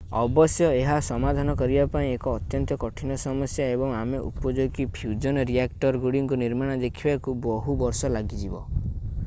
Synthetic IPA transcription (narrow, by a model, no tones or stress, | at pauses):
ɔ̰bɔsjɔeɦasɔmad̪ʱanɔkɔɾibapaĩekɔːt̪jɔnt̪ɔkɔʈʰinɔsɔmɔsjaebɔŋameʔṵpɔd͡ʒoɡ̪ipʰjud͡ʒɔnɔɾiakʈɔɾɡuɽiŋkuniɾmaɽ̃ɔd̪ekʰibakubɔɦubɔɾsɔlaɡid͡ʒibɔ